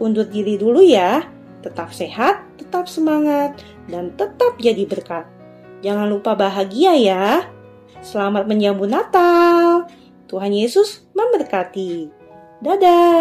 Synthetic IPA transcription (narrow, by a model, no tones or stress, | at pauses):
pundʊt̪̚diɾiduluja | t̪ːət̪ap̚seɦat̪ːət̪ap̚səmaŋat̪̚ | dant̪ət̪ap̚d͡ʒadibərkat̪̚ | d͡ʒaŋanlupabaɦaɡiaja | səlamat̪̚məɲd͡ʒambunat̪al | t̪uɦanjesʊsməmbərkat̪i | dada